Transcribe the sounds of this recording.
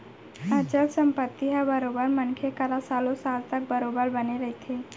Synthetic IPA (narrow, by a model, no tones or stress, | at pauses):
at͡ʃəlsəmpət̪ːiɦabəɾobəɾmənkʰekəɾasalosalt̪ək̚bəɾobəɾbəneɾəɦit̪ʰe